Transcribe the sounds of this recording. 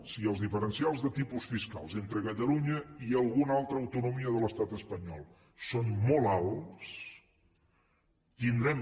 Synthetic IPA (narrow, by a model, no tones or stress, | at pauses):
siəlˠzðifəɾənsialˠzðət̪ipusfiska̰lˠzent̪ɾəkət̪əluɲəiəlˠɣunalˠt̪ɾəːwt̪unumiəðələst̪at̪əspəɲɔlˠ | sonmɔlˠalˠs | t̪ind̪ɾɛm